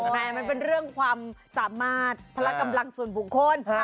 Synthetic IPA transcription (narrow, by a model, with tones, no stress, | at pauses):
mɛː˧˩ma˧npe˧nɾɯ˥˩əŋkʰwaː˧msaː˩˦maː˥˩t̪̚pʰa˧la˦˧˥ka˧mla˧ŋsu˨˩nbu˨˩kʰːo˧˥n